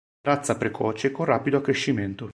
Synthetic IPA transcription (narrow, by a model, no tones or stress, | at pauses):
ɾat̪sːapɾekʰɔːt͡ʃekonraːpid̪oakːɾeʃːiment̪o